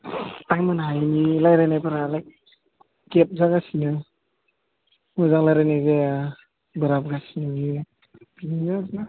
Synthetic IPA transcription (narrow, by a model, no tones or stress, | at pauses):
taŋmɯnaɦajnilajɾajnajpaɾalajk̚ | kep̚zaɡasinɯ | mɔzaŋlajɾajnajzea | bɯɾap̚ɡasinɯni | pininɯsna